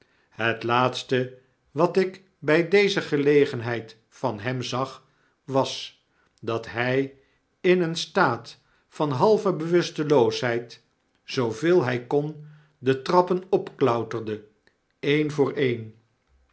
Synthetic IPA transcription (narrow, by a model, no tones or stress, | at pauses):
ɦətlaːtstə | ʋɑtɪk | bɛjdejzəχəlejχənɦɛjt | fɑnɦɛmzɑχ | ʋɑs | dɑtɦɛj | ɪnənstaːt | fɑnɦɑlˠvəbəʋɵstəlowsɦɛjt | z̥owvɪːlˠɦɛjkɔn | dətrɑpənɔpklœwtərdə | ejnvʊːɹʔejn